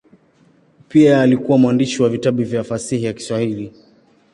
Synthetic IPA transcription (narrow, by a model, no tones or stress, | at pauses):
piaːlikuwamwandiʃiwavitaɓivjafasihijaki̥swahili